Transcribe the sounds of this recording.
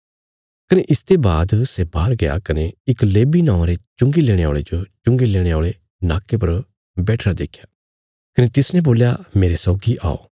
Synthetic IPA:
kɐneʔɪst̪ebaːd̪sebaːɾɡɐja̰kɐneɪkleːbinãːʊ̃ãɾet͡ʃʊ̃ŋɡileːɽ̃eaoːɭed͡ʒot͡ʃʊ̃ŋɡileːɽ̃eoːɭe | naːkːepɐɾ | bɛːʈʰɾad̪ḛːkʰjaː | kɐnet̪ɪsnɛ̃boːljameːɾesɔːɡiʔa̰ːo̰ː

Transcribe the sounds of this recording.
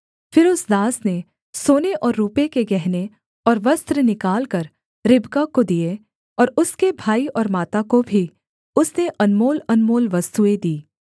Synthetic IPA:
fɪɾʊsd̪aːsne | soːneʔɔːɾːuːpekeɡɛɦne | ɔːɾʋɐst̪ɾənɪkaːlkɐɾ | ɾɪbkakod̪ije | ɔːɾʊskebʱaːiɔːɾmaːt̪akobʱi | ʊsneʔɐnmoːlɐnmoːlʋɐst̪ued̪iː

